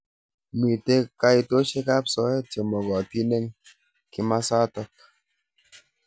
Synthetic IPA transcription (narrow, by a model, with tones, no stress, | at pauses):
mi˨te˦ka˦i˨to˦ʃe˦ka˦p̚sɔ˨˦ɛ˦te˨mɔ˨ɡɔ˨ti˦ne˦ŋ | ki˦ma˦sa˦tɔ˦k̚